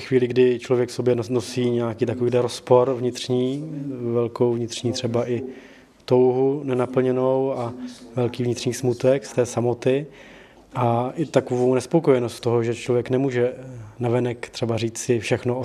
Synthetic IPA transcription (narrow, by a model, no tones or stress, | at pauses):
xviːlɪɡdɪt͡ʃlovjɛkfsobjɛnosiːɲɛakiːt̪akoviːdlɛɾospo̞ɾvɲɪt̪rɲiːvɛlko̞wvɲɪt̪rɲiːt̪r̝̥ɛbaʔɪ | t̪o̞wɦunɛnapl̩ɲɛno̞wavɛlkiːvɲɪt̪r̥ɲiːsmut̪ɛkst̪ɛːsamo̞t̪ɪ | ʔaʔɪt̪akovownɛspokojɛnost̪t̪oɦoʒɛt͡ʃlovjɛknɛmuːʒɛnavɛnɛkt̪r̝̥ɛbariːt͡sɪfʃɛxno